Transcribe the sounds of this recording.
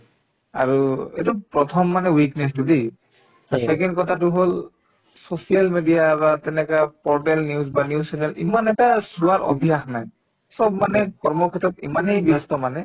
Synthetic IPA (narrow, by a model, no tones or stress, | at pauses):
a̰ɹuɛ̰tupɹɔtʰɔmːanɛwiknɛs̬tudi̥ | asɛkɛndkɔtʰat̬ʊɦol | sosijalmedijabatɛnɛkapɔɹtɛlniuzbanjusɛnɛlḭmanɛtasuaɹʔɔ̰bʱiɦaxnaj | sɔbmanɛkɔɹmɔkʰitɔtimanejbiastɔmanɛ